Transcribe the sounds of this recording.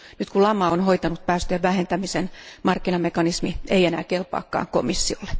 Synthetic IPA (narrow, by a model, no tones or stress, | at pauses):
nyt̪kulɑmɑonhoit̪ɑnut̪̚pæːst̪øæʋʋæhent̪æmisenmɑrkːinɑmekɑnismiʔeijenæ̰ːkelpɑ̰ːkːɑ̰ːŋko̰misːiolːe̥